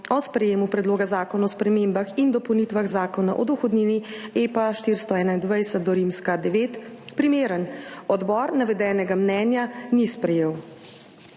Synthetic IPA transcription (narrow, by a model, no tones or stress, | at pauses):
ɔspɾɛjeːmupɾɛd̪loːɡazaːkɔnaɔspɾɛmembaxind̪ɔpɔwnit̪ʋaɣzaːkɔna̰ʔɔd̪uxɔd̪niniepaʃt̪iɾst̪ɔɛːnaind̪ʋajsət̪̚d̪ɔɾimskad̪ɛʋeːt̪pɾimeːɾənɔd̪bɔːɾnaʋɛd̪ɛːnɛɡamnɛːnjanispɾɛjeːw